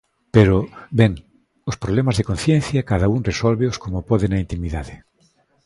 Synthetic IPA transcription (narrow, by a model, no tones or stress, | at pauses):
peɾobeŋ | ospɾoβlemazðekonθjẽn̟θjakaðauŋresolβeoskomopoðenaint̪imiðaðe